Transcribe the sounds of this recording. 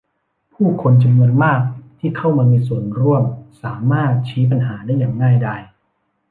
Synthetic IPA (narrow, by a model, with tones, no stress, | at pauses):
pʰuː˥˩kʰo˧nt͡ɕa˧mnu˧ənmaː˥˩k̚t̪ʰiː˥˩kʰa˥˩wmaː˧miː˧su˨˩ənɾu˥˩əmsaː˩˦maː˥˩t̪̚t͡ɕʰiː˦˥p̬a˧nɦaː˩˦daː˥˩jːaː˨˩ŋːaː˥˩jdaː˧˩j